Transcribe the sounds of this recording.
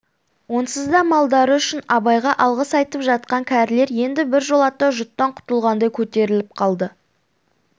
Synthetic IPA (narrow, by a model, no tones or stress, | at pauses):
wo̞nsəzd̪ɑmɑlˠd̪ɑɾəʏʃɪnɑbɑjʁɑʔɑlˠʁəsɑjt̪əpʒɑt̪̚qɑŋkʲʰæɾle̞ɾje̞nd̪ɪbɪɾʒo̞lˠɑt̪ːɑʒʊt̪ːɑɴqʰʊ̥t̪əlˠʁɑnd̪ɑjkʲʰɵt̪e̞ɾɪlɪp̚qʰɑlˠd̪ə